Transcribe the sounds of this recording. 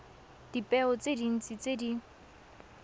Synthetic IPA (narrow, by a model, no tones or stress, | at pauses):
d̥ipʼɛʊt͡sedin̩t͡sʼit͡sedi